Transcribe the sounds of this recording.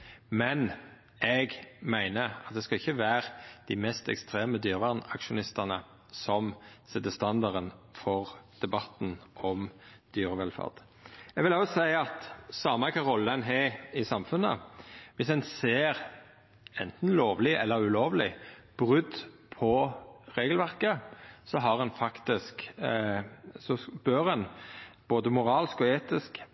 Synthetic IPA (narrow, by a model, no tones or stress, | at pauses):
mɛn | ɛɡmæɪnəɑt̪̚d̪ɛskɑɪçːəʋæːʁd̪̥ɪmɛst̪ɛ̰kst̪ʁeːməd̪yːʁəʋæʁnɑkʃʊnɪst̪əʁnə | sɔmsɛt̪əst̪ɑnd̪ɑʁənfɔʁd̪̥ɛbɑt̪n̩ʔɔmd̪̥yːʁəʋɛlfɑ̰ʁd̪̥ | ɛɡʋɪlɑsæɪɑt̪sɑːmɑkʰɑʁɔlːəɛnɦeɪsɑmfʉnːə̰ʋɪsɛnseːʁ | ɛnt̪n̩loːʋlɪʔɛ̰lːəɾʉloːʋlɪb̥ʁʉd̪ | pʰɔʁeːɡəlʋæʁkəsɔɦɑʁɛnfɑkt̪ɪsk | sɔb̥øʁɛnb̥oːd̪əmʊʁɑːlskɔeːt̪ɪsk